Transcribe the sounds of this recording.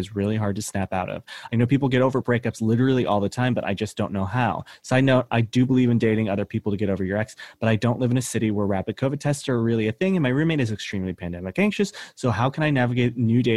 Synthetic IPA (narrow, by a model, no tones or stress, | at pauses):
ɨzɹɪlˠiɦɑɹd̚tʰɨsnæpaʊɾʌ̰v̥aɪnoʊpʰipl̩ˠɡɛɾoʊvə˞bɹeɪkʌpslɪɾə˞l̩ˠiʔɔlˠðətʰãɪ̃mbʌɾʔa̰ɪd͡ʒʌsd̥õʊ̃nːoʊaʊsoʊaɪnoʊʔaɪdɨbəlivɨ̃ndeɪɾɪ̃ŋʌðə˞pʰipl̩ˠtɨɡɛɾoʊvə˞jə˞ɛksb̥ʌɾaɪdõʊ̃nʔlɪvɨ̃nɨsɪɾiwə˞ɹæpɨd̚kʰoʊvɨtʰɛstsə˞ɹɪlˠiɨθɪ̃ŋɨ̃nmaɪɹimẽɪ̃nɨzɨkstɹ̥ĩmlipʰæ̃ndɛmɨkæ̃ŋkʃɨsːoʊɦaʊkʰɨ̃ñaɪnævɨɡeɪt̚ⁿnjʉdeɪ